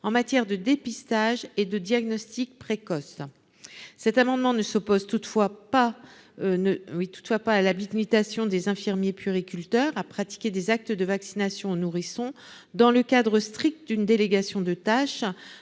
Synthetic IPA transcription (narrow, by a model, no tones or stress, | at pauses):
ɑ̃mat̪jɛʁd̪əd̪epist̪aʒed̪əd̪jaɡnɔst̪ik̚pχekɔs | sɛt̪amɑ̃d̪mɑ̃nəsɔpozt̪ut̪fwapa | nəwit̪u̥t̪fwapaːlabiɡnit̪asjɔ̃d̪ezɛ̃fiʁmjepyʁikʲylt̪œʁapχat̪i̥kʲed̪ezak̚t̪əd̪əvaksinasjɔ̃onuʁisɔ̃ | d̪ɑ̃ləkad̪ʁəst̪χik̚t̪əd̪ynd̪eleɡasjɔ̃d̪ət̪aʃ